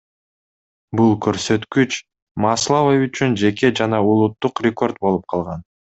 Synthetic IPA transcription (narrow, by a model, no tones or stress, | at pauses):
bulˠkʰøɾsø̞t̪kyt͡ʃ | mɑslˠovəyt͡ʃynd͡ʒe̞ke̞d͡ʒɑnɑulˠut̪ːuqrʲeko̞rt̪̚bo̞lˠup̚qʰɑlˠʁɑn